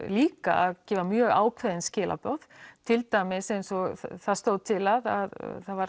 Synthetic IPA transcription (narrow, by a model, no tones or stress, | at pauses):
liːka̰aðcɛːvamjœːɣaːwkʰvɛðɪnscɪːlʔa̰pɔð̥t̪ʰɪlt̪aːjmɪsejnsɔɣθaðst̪owðt̪ʰɪlaða̰ðθaðvaɾ